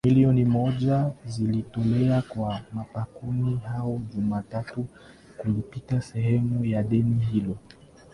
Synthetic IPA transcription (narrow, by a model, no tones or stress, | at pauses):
miliɔnimɔʄazilitɔlɛakwamapakunihaɔʄumatatu | kulipitasɛhɛmujaɗɛnihilɔ